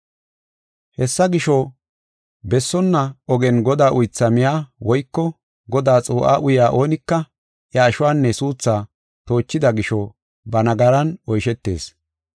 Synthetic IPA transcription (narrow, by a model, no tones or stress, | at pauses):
hɛsːɐɡɪʃɔ | bɛsːɔnːɐɔɡɛnɡɔd̪aːʔʊjt͡sːɐmɪjaːwɔjkːɔ | ɡɔd̪aːt͡sʼoːʔa̰ːʔʊjaːʔo̞ːnɪkːɐ | ʔjɐːʃʊwaːnːɛsuːt͡sːaː | t̪o̞ːt͡ʃːɪd̪ɐɡɪʃɔ | bɐnɐɡɐɾɐnɔjʃɛt̪ːe̞̰ːs